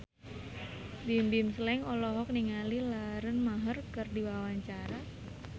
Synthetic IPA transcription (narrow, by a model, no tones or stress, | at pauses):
bimbimsəlɛŋɔlɔɦɔk̚niŋalilaɾənmaɦərkərdiwawaɲt͡ʃaɾa